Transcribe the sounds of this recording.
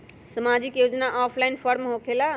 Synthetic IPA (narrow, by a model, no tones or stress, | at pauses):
səmad͡ʒikjod͡ʒnaʔɔpʰlaɪnpʰəɾmɦokʰela